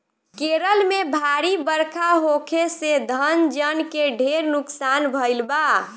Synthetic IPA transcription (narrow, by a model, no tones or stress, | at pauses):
keɾəlmebʱaɾibəɾkʰaɦokʰesed̪ʱənd͡ʒənkeɖʱeɾnuksanbʱəɪlba